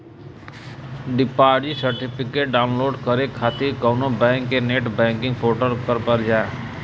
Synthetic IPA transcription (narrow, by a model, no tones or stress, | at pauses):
ɖipaɖisəɾʈipʰikeʈ̚ɖaʊnloːɖkəɾekʰat̪iɾkəʊnobɛ̃ŋkːeneʈbɛ̃ŋkĩŋɡpoʈəɾkəɾpəɾd͡ʒaː